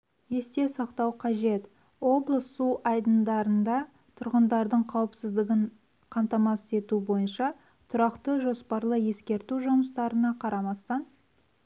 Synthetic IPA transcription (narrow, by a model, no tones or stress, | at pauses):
je̞st̪e̞sɑqt̪ɑwqʰɑʒe̞t̪ | wo̞blˠəsːuʔɑjd̪ənd̪ɑɾənd̪ɑ | t̪ʰʊɾʁənd̪ɑɾd̪əɴqʰɑwəpsɪzd̪ɪɡʲɪɴ | qʰɑmt̪ɑmɑse̞t̪ubo̞jənʃɑ | t̪ʰʊɾɑqt̪əʒo̞spɑɾlˠəje̞skʲe̞ɾt̪uʒʊməst̪ɑɾənɑqʰɑɾɑmɑst̪ɑn